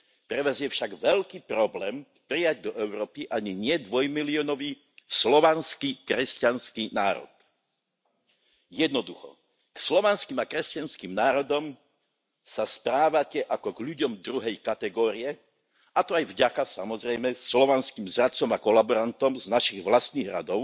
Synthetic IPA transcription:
pɾɛʋazɪɛfʃaɡʋɛʎkiːpɾɔblɛːm | pɾijaɟ̚d̪ɔʔɛʊɾɔːpiʔaɲiɲɪɛd̪ʋɔjmiliɔnɔʋiː | slɔʋanskikɾɛscanskinaːɾɔ̰t̪ | jɛd̪nɔd̪uxɔ̰ | kslɔʋanskiːmakɾɛscanskimnaːɾɔd̪ɔm | saspɾaːʋacɛʔakɔɡʎuɟɔmd̪ɾuɦɛjkat̪ɛɡɔːɾiɛ | at̪ɔajvɟakasa̰mɔzɾɛjmɛslɔʋanskimzɾat͡sɔmakɔlabɔɾant̪ɔmznaʃiɣʋlast̪niɣɾa̰d̪ɔʊ

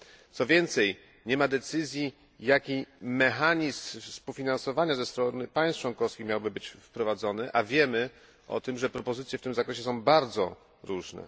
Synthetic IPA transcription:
t̪sɔvʲjɛnt̪sɛj | ɲɛmad̪ɛt̪sɘzʲji | jakʲimɛxaɲisspuwfʲinansɔvaɲazɛst̪ɾɔnɘpaj̃st̪̚t͡ʂwɔnkɔfskʲixmjawbɘbɘt͡ɕfpɾɔvad̪zɔnɘʔavʲjɛmɘ | ʔɔ̰t̪ɘmʐɛpɾɔpɔzɘt̪sʲjɛft̪ɘmzakɾɛɕɛs̬ɔ̃w̃baɾd̪zɔ | ɾuʐnɛ̰

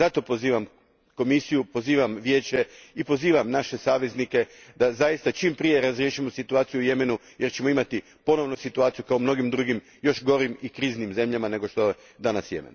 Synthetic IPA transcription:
at̪o̞poziːʋam | ko̞misijupo̞ziːʋamʋjeːt͡ɕe̞ipo̞ziːʋamnaʃe̞saːʋe̞znike̞d̪azajist̪at͡ʃimpɾije̞ɾazɾjeʃimo̞sit̪uaːt̪sijuje̞me̞nu | je̞ɾt͡ɕe̞moimat̪i | po̞no̞ʋnosit̪uaːt̪sijukaomno̞ɡimd̪ɾuɡim | jo̞ʃɡo̞ɾimikɾiːznimze̞mʎamane̞ɡo̞ʃt̪o̞e | d̪anasje̞̰mḛn

